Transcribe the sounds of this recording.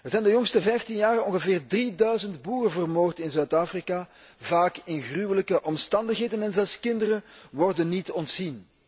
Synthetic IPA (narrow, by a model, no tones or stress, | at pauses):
ərzɛjndəjɔŋstəvɛjftinjaːrəɔŋɣəvɪːrdridœɥzəntbuːrəvərmoːrtɪnzœːtaːfrika | vaːkɪnɣrywələkəʔɔmstɑndəxɦeːdənɛnzɛlˠskɪndərəʋɔrdənːitɔntsin